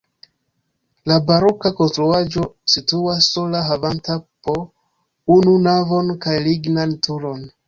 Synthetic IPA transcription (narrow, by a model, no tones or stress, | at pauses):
labaɾo̞kako̞nstɾuad͡ʒo̞situasːolaɦavantapo | ununavo̞nkajliɡnantuɾo̞n